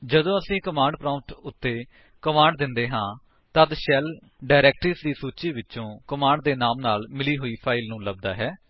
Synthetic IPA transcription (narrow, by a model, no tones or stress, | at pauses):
d͡ʒəd̪õːəsĩːkəmãːɳɖ̚pɾãːmʈʊt̪ːeː | kəmãːɳɖd̪ɪnd̪eːɦãː | t̪əd̪ʃɛl | ɖaːɾɛːk̚ʈɾiːsd̪iːsuːt͡ʃiːʋɪt͡ʃõːkəmaːɳɖd̪eːnaːmnaːlmɪliːɦoːiːpʰaːɪlnũːləb̚d̪a̰ːɦɛː